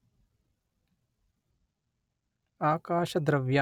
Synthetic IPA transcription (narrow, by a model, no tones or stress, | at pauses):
aːkaːʃɐd̪ɾɐʋja